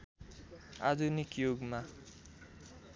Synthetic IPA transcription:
a̰d̪unikjoɡma

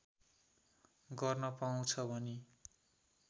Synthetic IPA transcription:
ɡʌrnʌpaũt͡sʰʌbʱʌne

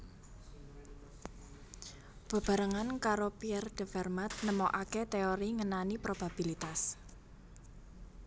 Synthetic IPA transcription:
b̥a̤b̥a̤ɾaŋankaɾopiɛrd̪̥ə̤fɛrmat̪̚nəmɔʔaket̪eoɾiŋənanipɾob̥a̤b̥ilit̪as

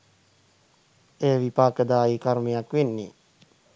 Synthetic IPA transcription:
eːʋipaːkəd̪aːikaɾmijakʋenːḭ

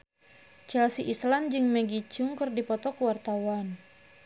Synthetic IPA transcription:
t͡ʃɛlsiʔisland͡ʒɨŋmɛɡit͡ʃʊŋkɨrdipɔt̪ɔkəwart̪awan

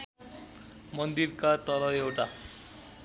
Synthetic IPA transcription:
mʌnd̪iɾkat̪ʌlʌewʈa

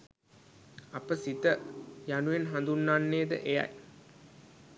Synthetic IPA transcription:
apəsit̪əjanuʋenɦand̪unːanːeːd̪ə̰ʔeja̰j

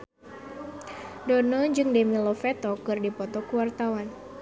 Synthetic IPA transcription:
donɔd͡ʒɨŋdɛmilɔfɛt̪ɔkɨrdipɔt̪ɔkəwart̪awan

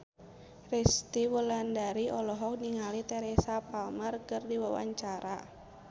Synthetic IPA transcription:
rɛst̪iwulandaɾiʔɔlɔɦɔk̚niŋalit̪ɛɾɛsapalmərkərdiwawa̰ɲt͡ʃaɾa

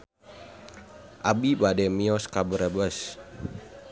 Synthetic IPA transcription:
ʔabibadɛmiɔskabəɾəbəs

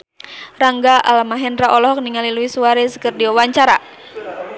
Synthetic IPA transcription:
raŋɡaʔalmaɦɛnraʔɔlɔɦɔk̚niŋaliluisuaɾesə̥kərdiwawaɲt͡ʃaɾa

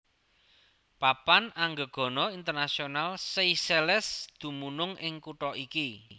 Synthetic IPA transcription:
papanaŋɡəɡ̥ɔ̤nɔint̪ərnasionalseiselɛsd̪̥ṳmunʊŋɪŋkuʈɔʔiki

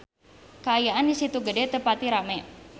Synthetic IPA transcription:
kəajaʔandisit̪uɡədɛt̪əpat̪iɾamɛ

